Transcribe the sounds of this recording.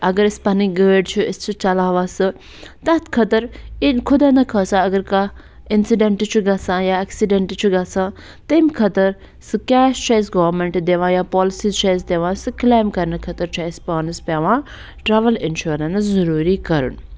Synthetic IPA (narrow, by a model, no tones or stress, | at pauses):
ɐɡɐɾɪspɐniɡəːɖt͡ʃʰuɪst͡ʃʰut͡ʃɐlaːʋaːsɨ | t̪ɐt̪ʰkʰɐt̪ɐɾikʰʊd̪aːnɐkʰɐːsãɐɡɐɾka | ɪnsiɖeɳʈt͡ʃʰuɡɐsãːjaːɛksiɖeɳʈt͡ʃʰuɡɐsãː | t̪ɐimkʰɐt̪ɐɾ | sɨkaːst͡ʃaːjsɡɔːʋɾmẽɳʈd̪eːʋãːjaːpɔːlɪsiːzt͡ʃaːjs̬d̪eːʋãːsɨklaːmkɐɾnɐkʰɐt̪ɐɾt͡ʃʰaɪspaːnɨspaːʋãː | ʈɾaːʋɐlɪnʃuːɾɐ̃nszɐɾuːɾikɐɾṵn